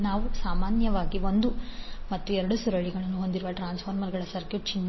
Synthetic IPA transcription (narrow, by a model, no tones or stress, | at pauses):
naːʋusaːmaːnjɐʋaːɡio̞nd̪umɐt̪ːuɛɾɐɽusuɾɐɭiɡɐɭɐnːuɦo̞nd̪iɾuʋɐʈɾaːnspʰɐːɾmɐɾɡɐɭɐsɐɾkjuːʈ̚t͡ʃinː